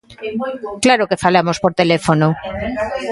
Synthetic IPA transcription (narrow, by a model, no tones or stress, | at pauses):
klaɾokefalamospoɾt̪elefono